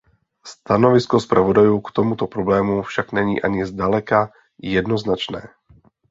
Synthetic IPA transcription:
st̪anɔʋiskɔspɾaʋɔd̪ajukt̪ɔmut̪ɔpɾɔblɛːmufʃaɡɲɛɲḭːʔaɲɪɛzd̪alɛka | jɛd̪nɔznat͡ʃnɛ̰ː

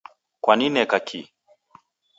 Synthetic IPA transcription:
kwaninɛkakʰḭ

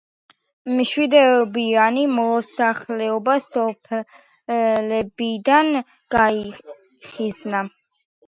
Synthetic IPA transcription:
mʃwid̪ɛbianimɔsaχlɛɔbasɔpʰɛ | lɛbid̪an | ɡ̥ai | χizna

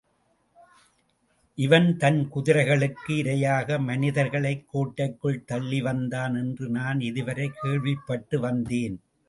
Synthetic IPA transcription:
ʔɪʋɐnt̪ɐnkʊðɪɾɐɪɣɐɭɯkːɯɪɾɐjaːɣɐmɐnɪðɐɾɣɐɭɐɪkːoːʈːɐɪkːɯɭt̪ɐɭːiʋɐnd̪aːnɛndrɯnaːnɪðɯʋɐɾɐɪkːeːɭʋɪpːɐʈːɯʋɐnd̪eːn

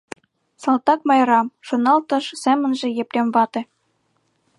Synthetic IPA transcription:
sɑlˠt̪ɑk̚mɑjɾɑmʃŏnɑlˠt̪ɤ̆ʃsemɘ̆nʒĕjeprʲemvɑt̪ĕ

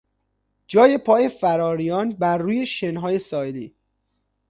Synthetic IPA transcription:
d͡ʒɒːje̞pʰɒːje̞fæɾɒːɾijɒːnbæɾːuːje̞ʃenɦɒːje̞sɒːliː

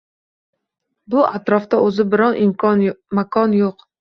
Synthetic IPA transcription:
bʊʔat̪ɾɒft̪aʔɵzɪbɪɾɒnʔɪmkʰɒnmakʰɒnjoq

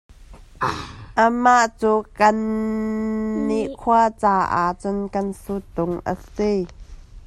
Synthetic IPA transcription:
ʔəmaʔt͡suːkɐn | iʔkʰuat͡saːʔa̰t͡sʊnkɐnsut̪ʊŋʔə̰si

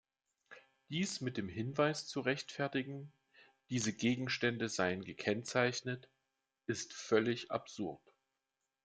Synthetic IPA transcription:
d̥iːsmɪt̚d̥eːmɦɪnvaɪst͡suʁɛçtfɛɐtɪɡŋ̩ | d̥iːzəɡeːɡŋ̩ʃtɛndəzaɪənɡəkʰɛnt͡saɪçnət | ʔɪstfœlɪçʔa̰pz̥ʊɐt

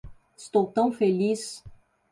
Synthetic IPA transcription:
ɪst̪owt̪ɐ̃w̃felis

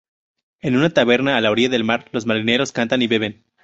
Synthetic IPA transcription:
e̞nũnat̪aβe̞ɾnaːlaoɾiʝaðe̞lmaɾlo̞zmaɾine̞ɾo̞skant̪aniβe̞βe̞n

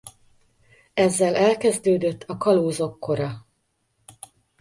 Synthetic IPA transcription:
ɛzːɛlɛlkɛzd̪øːd̪øt̪ʰːɒkɒloːzo̞kːo̞ɾɒ

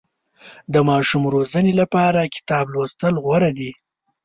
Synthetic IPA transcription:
d̪əmɑʃumɾozənelapɑɾakɪ̥t̪ɑblost̪əlɣwaɾad̪i

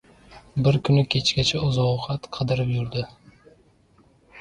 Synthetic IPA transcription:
bɪɾkʰʊnɪkʲʰe̞t͡ʃkʲat͡ʃʰaɒzɒqɑt̪qʰɨd̪ɪɾɪpjʊɾd̪ɪ

